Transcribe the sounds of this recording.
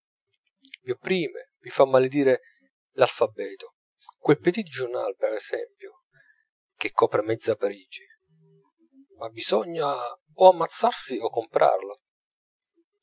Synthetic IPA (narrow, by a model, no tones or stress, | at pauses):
viopːɾiːme | vifamːaled̪iːɾe | lalfabɛːt̪o | kwelped̪id̪id͡ʒʊrna̰lpɛɾɛsɛmpjo | k̟ekʰːɔːpɾemɛd̪zːapaɾiːd͡ʒi | mabizɔɲːa | ɔamːat̪sːarsiɔkːompɾʔa̰rla